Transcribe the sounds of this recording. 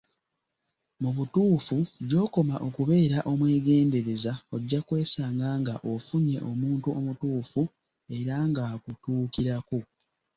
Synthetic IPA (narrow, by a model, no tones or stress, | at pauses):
muβutuːfuɟo̞ːko̞maʔo̞kuβe̞ːɾaʔo̞mwe̞ːɡe̞ːnde̞ɾe̞zaoɟːakwe̞ːsaːŋɡaŋɡaʔo̞fuɲe̞ʔo̞muːntuo̞mutuːfu | e̞ɾaŋɡaːkutuːkiɾaku